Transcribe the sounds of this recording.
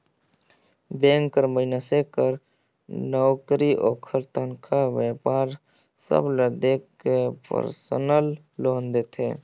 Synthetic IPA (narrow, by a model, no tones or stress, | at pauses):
bẽːŋkːəɾməɪnasekəɾ | nɔːkɾiʔoːkʰəɾt̪ənkʰaʋepaːɾ | sə̰bləd̪ek | epə̰ɾsə̰nəl | loːnd̪et̪ʰḛː